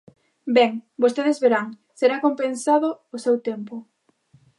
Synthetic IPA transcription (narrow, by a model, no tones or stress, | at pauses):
bɛŋbost̪eðezβeɾaŋ | seɾakompẽnsaðʊːsewt̪empʊ